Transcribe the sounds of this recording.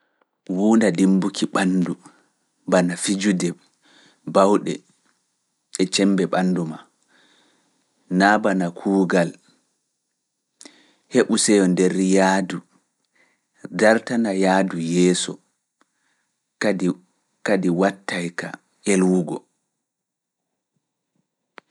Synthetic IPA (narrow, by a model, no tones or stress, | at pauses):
wuːndadimbukʰiɓandu | banafid͡ʒudɛ | bawɗɛ̰ | ɛt͡ʃɛmbɛɓanːduma | nabanakʰuːɡal | heɓusɛjɔndɛɾjaːdu | daɾtanajaːdujɛːsɔ̰ | a | kadiwatːajka̰ | elwuɡɔ̰